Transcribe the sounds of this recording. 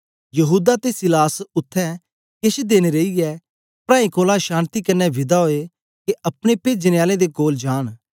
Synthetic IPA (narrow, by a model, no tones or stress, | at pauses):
jɐɦuːd̪at̪esɪlaːsʊt̪ʰːɛ̃ | kɪʃd̪eːñeɾeijɛ | pɾaːĩkoːlaʃãːnt̪ikɐnːɛʋɪd̪aɦoːe | keʔɐpɽ̃epeːd͡ʒənejaːlẽd̪ekoːld͡ʒaːɽ̃